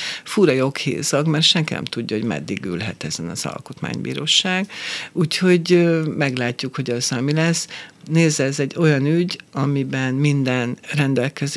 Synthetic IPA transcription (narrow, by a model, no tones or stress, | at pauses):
fuɾɒjo̞khḛːzɒɡmɛrt̪ʃɛŋkinɛ̰mt̪uɟːɒɦoɟmɛ̰d̪ːiɡylɦɛ̰t̪ɛzɛnɒ̰z̥ɒ̰lko̞t̪ma̰ːɲbḭːɾoːʃaːɡuːcho̞ɟmɛɡlaːcːukho̞ɟɒzɒmilɛsːneːzɛzɛɟːo̞jɒnyɟɒmibɛnmind̪ɛnrɛnd̪ɛlkɛz